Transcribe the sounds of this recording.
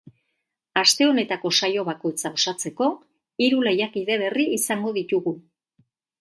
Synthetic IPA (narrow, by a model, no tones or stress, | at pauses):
ast̪e̞o̞ne̞t̪ako̞sajo̞βako̞jt͡sao̞sat͡se̞ko̞ | iɾule̞jakiðe̞βe̞riːsaŋɡo̞ðit̪uɣu